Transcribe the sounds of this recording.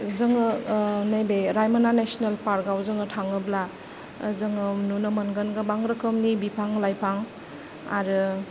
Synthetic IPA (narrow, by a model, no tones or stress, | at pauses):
zɯŋɯnajbeɾajmananesinelpaɾɡawzɯŋɯtʰaŋɯbla | zɯŋɯnunɯmɐnɡɯnɡɯbaŋɾɯkʰɯmnibipʰaŋlajpʰaŋ | a̰ɾɯ